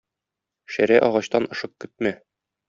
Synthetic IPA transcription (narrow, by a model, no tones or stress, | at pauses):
ʃæɾæʔɒʁɑɕt̪ɑnʔɤ̆ʃɤq̚kɵ̆t̪̚mæ